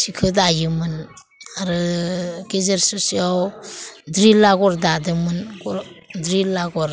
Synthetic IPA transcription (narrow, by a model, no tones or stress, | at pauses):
sikʰɯdajɯmɯn | aɾɯɡezeɾsɔsiawdɾilaɡɔɾdadɯmɯnkɔɾdɾilaɡɔɾ